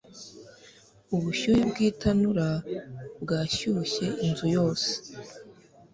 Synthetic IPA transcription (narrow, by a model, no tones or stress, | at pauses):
uβuʃuːɾibɡiːtʰanuɾabɡaːʃuçe̞ʔinzujo̞ːse̥